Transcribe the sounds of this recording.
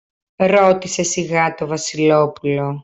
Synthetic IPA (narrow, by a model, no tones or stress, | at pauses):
ɾo̞t̪ise̞siɣɐt̪o̞vɐsilo̞pulo̞